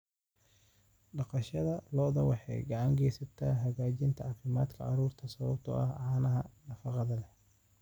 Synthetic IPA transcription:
ɖɑqɑʃɐðɐlɔːðɐwɑħɑ̰jɡɑʕɑŋɡɛjsɐt̪ʰaːɦɐɣaːt͡ʃɪnt̪ʰɐʕɑːfɪmaːd̪kʰɐʕɑɾuːrt̪ʰɐsɐβɐbt̪ʰɔ̰ʔɐ̰hɐʕaːnɐɦɐnɐfɑqɑðɐlɛh

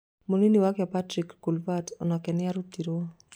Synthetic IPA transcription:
moniniwakapatɾikːulvatɔ̰nɔkɛnɪaɾutiɾo

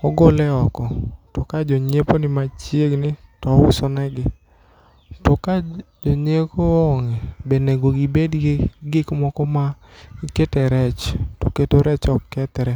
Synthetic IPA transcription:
ɔɡolɛɔkɔtɔkad͡ʒɔɲeponɪmat͡ʃjeɡnɪtɔwʊsɔnɛɡɪ | tɔkad͡ʒoɲekoɔŋɛbeneɡoɡibedɡɡɪkmɔkɔmaiketɛɾɛt͡ʃtoketoɾɛt͡ʃɔkkɛt̪ɾɛ

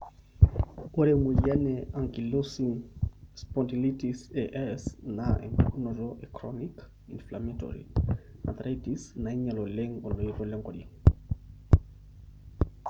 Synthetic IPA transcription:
ɔɾɛmujanɛaŋkilusiŋspɔntilitisɛʔɛsnaɛ̰ŋkkunɔɾɔʔɛkɾɔnik | inflamɛtɔ̰ɾḭna̰t̪ɾaitisnaiɲalɔlɛŋɔlɔiɾɔlɛŋɡɔɗi

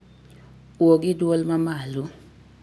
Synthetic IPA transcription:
wok̬iduɔlmamaːlu

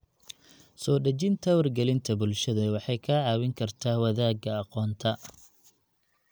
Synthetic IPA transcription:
sɔːɖɐt͡ʃɪnt̪ʰɐwɐrɡɛlɪnt̪ʰɐbʊlʃɐðɐwɑħɑjkʰɐʕɑːwɪŋkʰɐrt̪ʰaːwɐðaːɡɐɑqɔːnt̪ʰɐ

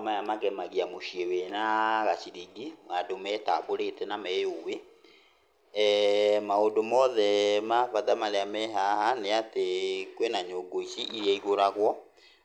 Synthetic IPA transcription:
majamaɣɛmaɣiamoʃiewenaɣasiɾiɡimadomɛtaβoɾetɛnamɛjowe | maondomɔðɛmafaðamaɾeamɛɦahaneatekwenaɲoɡoisiʔiɾjaiɣoɾaɣwɔ

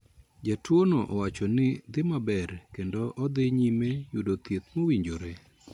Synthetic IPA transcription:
d͡ʒatwonoʔɔwat͡ʃɔnɪd̪ɪmabɛrkendoʔɔd̪ɪɲimejudot̪jet̪̚mowiɲd͡ʒoɾe

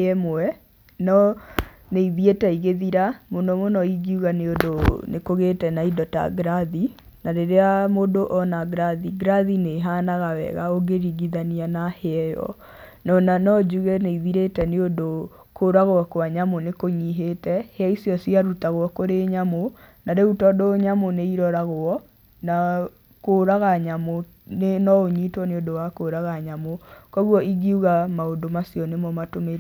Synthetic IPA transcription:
ɛmoɛ | nɔ | neiðietɛiɣeðiɾamonɔmonɔiɡiuɣaneodonekoɣetɛnaidɔta̰ɡɾaði | naɾeɾeamodoʔɔnaɡɾaðiɡɾaðineɦaːnaɣawɛ̰ɣaoɡeɾiɡiðanianahɛɛjɔ̰ | nɔnanɔd͡ʒuɣeneiðiɾetɛneondo | koɾaɣwakwaɲamonekoɲiɦetɛheaisjɔsiaɾutaɣwɔkoɾeɲamonaɾeutɔdoɲamoneiɾɔɾaɣoɔ | na | koɾaɣaɲamo | nenɔoɲitwɔneodowakoɾaɣaɲamokɔɣwɔʔiɡiuɣamaondomasjɔnemɔmatome

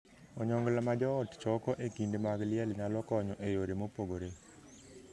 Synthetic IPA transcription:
ɔɲɔŋɡlamad͡ʒɔːtt͡ʃɔkɔʔekindmaɡlɪɛlnalɔkɔɲɔʔejoɾemopoɡoɾe

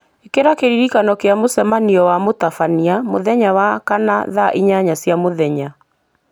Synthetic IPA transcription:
ekeɾakeɾiɾikanɔkeamosɛmaniɔwamotafaniamoðɛɲawakanaðaʔiɲaɲasjamoðɛɲa

